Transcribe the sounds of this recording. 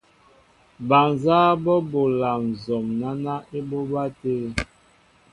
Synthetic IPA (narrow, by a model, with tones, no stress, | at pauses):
ba˨nzaː˦bɔ˦bo˨la˨m˨zɔ˨mna˦na˦e˦bo˦ba˦te˦